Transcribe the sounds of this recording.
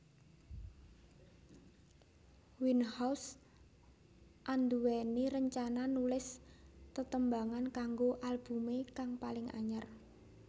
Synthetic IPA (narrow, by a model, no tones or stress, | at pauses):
winhaws | ʔand̪uwɛniɾəɲt͡ʃananulɪst̪ət̪əmbaŋankaŋɡoʔalb̥ṳmekaŋpalɪŋʔa̰ɲər